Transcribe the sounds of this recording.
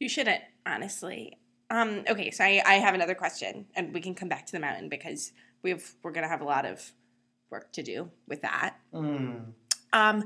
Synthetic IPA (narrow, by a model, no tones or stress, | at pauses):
jɨʃʊd̩ⁿt̚ʔɑ̰nɨstˡlḭ | ʌ̃mʔoʊkʰeɪsoʊaɪʔa̰ɪɨvɨnʌðə˞kʰw̥ɛst͡ʃɨ̰̃nɨ̃nwikɨ̃nkʰʌ̃mbæk̚tʰɨðɨmãʊ̃ʔn̩bɨkʰʌz̥ | wivwɪɹɡʌñɨːvəlɔɾʌ̰v̥ | wɜ̰˞k̚tʰɨdʉ̰wɨðæ̰t̩̚ | ʔʌ̃m